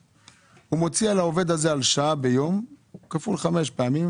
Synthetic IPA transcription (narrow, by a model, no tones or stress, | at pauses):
humo̞t͡sialaove̞d̪haze̞alʃaabe̞jo̞mkafulχameʃpeamim